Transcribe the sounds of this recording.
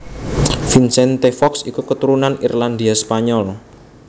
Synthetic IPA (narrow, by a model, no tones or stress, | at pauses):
finsɛnt̪efɔksikukət̪uɾunanirland̪iaspaɲɔl